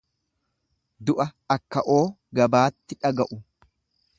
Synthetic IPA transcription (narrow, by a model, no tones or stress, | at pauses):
d̪ʊʔɐɐkːɐʔo̞ː | ɡɐbaːt̪ːɪᶑɐɡɐʔʊ